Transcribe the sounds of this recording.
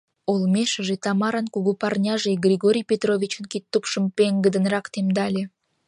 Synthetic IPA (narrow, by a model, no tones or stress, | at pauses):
olmʲeʃə̆ʒet̪ɑmɑɾɑnkuɣupɑrnʲɑʒeɡrʲiɣoɾʲijpʲet̪rovʲit͡ɕənkit̪ːupʃəmpeŋɡəd̪ə̆nrɑkt̪emd̪ɑlʲe